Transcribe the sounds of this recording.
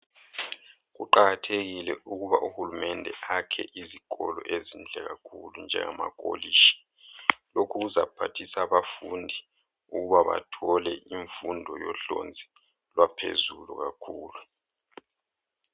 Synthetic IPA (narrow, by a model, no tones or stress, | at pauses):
ɣuǃaɣatʰeɣilɛʔuɣuβaʔuhulumɛndʱɛakʰɛ̰ʔizikʼɔlɔʔezind͡ɮʱɛɣakʰulund͡ʒʱɛ̰ŋama̰k̬ʼoliʃi̥ | lokʰuɣuzapʰatʰisaβafundʱi | uɣuβaβa̰tʰɔlɛʔiɱfundʱɔjɔɬo̰nd͡zʱi | lwapʰḛzulṵɣakʰuːlu